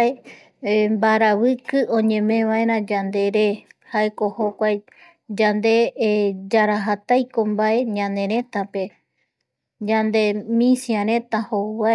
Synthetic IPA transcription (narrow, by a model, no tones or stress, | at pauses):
e | mbaɾaβɨkɨʔõɲẽ̞mẽʋaẽɾãd͡ʒand̪e̞ɾehaeko̞hokʷaj | d͡ʒand̪e̞d͡ʒaɾaɦat̪ajkombae̞ɲãnẽ̞ɾ̃ẽ̞t̪ape̞ | d͡ʒãnd̪e̞mĩsiãɾẽ̞t̪ahoβa